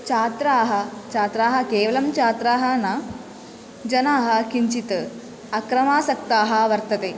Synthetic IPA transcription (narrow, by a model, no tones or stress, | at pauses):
t͡ʃaːt̪ɾaːɦɐt͡ʃaːt̪ɾaːɦɐ̆keːʋɐlɐmt͡ʃaːt̪ɾaːɦɐnɐ | d͡ʒɐnaːɦɐ̆kiɲt͡ʃit̪ | ɐkɾɐmaːsɐk̚t̪aːɦɐ̆ʋɐɾt̪ɐt̪e